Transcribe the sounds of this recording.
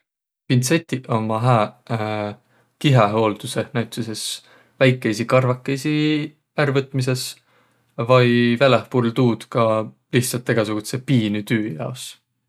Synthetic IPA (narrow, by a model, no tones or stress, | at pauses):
pint̪se̞t̪ʲːiʔo̞mɑɦæː | kiɦeɦo̞ːld̪̥use̞næwt̪suse̞s | væjkːˑejsikɑrvɑkːˑejsi | æɾvɤt̪ːˑmis̬e̞s | vɑjvelehpuɾlt̪uːd̪̥kɑ | liht̪sɑlt̪ːˑeɡ̥ɑsuɡ̥ut̪se̞piːnyt̪yːjɑ̰os